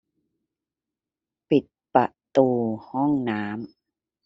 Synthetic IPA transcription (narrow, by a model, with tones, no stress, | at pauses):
pi˨˩t̪̚pa˨˩ʔt̪uː˧hɔ˥˩ŋnaː˦˥m